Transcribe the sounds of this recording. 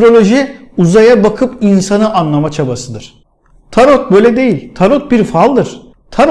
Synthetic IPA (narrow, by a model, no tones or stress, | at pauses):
ɾo̞lʲo̞ʒiuzajabakʰɯpinsanɯʔanlˠamat͡ʃʰabasɯd̪ɯɾ̥ | t̪ʰaɾot̪̚bø̞jlʲɛd̪e̞jilʲt̪ʰaɾot̪̚biɾfalˠd̪ɯɾ̥ | t̪ʰaɾ